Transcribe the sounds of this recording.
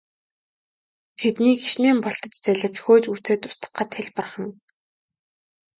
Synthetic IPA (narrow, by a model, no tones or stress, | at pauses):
t̪ʰet̪niːɡiʃneːmpɔɬt̪ɞ̆t͡ɕt͡sæɮʲə̆p̚t͡ɕxoːt͡ɕuːt͡seːt̪ʊ̥st̪ə̥̆χə̆t̪ʰxæɮʲpə̆rχə̆n